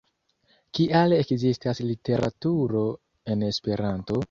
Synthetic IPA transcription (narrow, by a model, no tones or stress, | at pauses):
kiʔalekzistaslite̞ɾʔa̰tuɾo̞ | e̞ne̞spe̞ɾanto̞